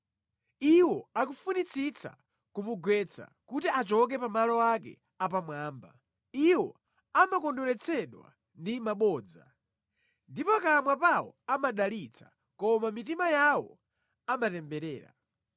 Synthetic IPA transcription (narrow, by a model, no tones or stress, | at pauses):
iwɔakufunit͡sʰit͡sʰa̰ | kumuɡwɛt͡sʰa̰kutiʔat͡ʃɔk̬ɛpamalɔwakɛ̰ | apamwaːmba̰ | iwɔ | amakɔndɔɾɛt͡sʰɛɗwa̰ | ndimaɓɔːd͡za̰ | ndipɔkamwapawɔ̰amaɗalit͡sʰḁ̰ | kɔmamitimajawɔ̰ | amatɛmbɛɾɛːɾa̰